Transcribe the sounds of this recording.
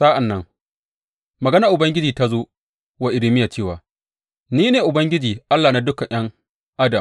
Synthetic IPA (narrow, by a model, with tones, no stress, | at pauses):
saː˦ʔa˨nːɐ˦ŋ | mɐ˨ɡɐ˦na˨ʔʊ˨bɐ˦ŋɡʲɪ˦d͡ʒiː˨ta˦zoː˦ | wa˦ʔɪ˨ɽɪ˦mɪ˦jaː˨t͡ʃeː˦˨waː˨ | niː˦neː˨ʔʊ˨bɐ˦ŋɡʲɪ˦d͡ʒiː˨ʔa˦lːaː˨na˨dʊ˦kɐ˨ɲj̰ɐ˦ŋ | ʔa˦dɐ˨m